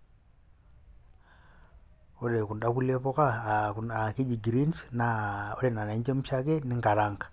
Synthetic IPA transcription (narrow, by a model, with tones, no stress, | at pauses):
o˦ɾe˨ku˨nda˦ku˦lje˦pɔ˦ka˦˨na˨ki˦d͡ʒi˨ɡi˨ɾi˦nsna˨o˦ɾe˨na˨na˨˦ɲd͡ʒe˦m̩˦ʃa˦ke˦nɪ˦ŋɡa˨ɾa˦ŋk